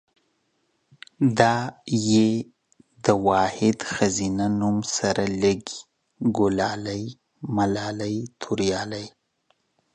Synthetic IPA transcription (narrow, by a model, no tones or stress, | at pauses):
d̪ɑje | d̪əwɑːhɪd̪xazinanumsaɾaləɡi̥ | ɡʊlɑlaj | malɑːlajt̪ʰuɾjɑːlaj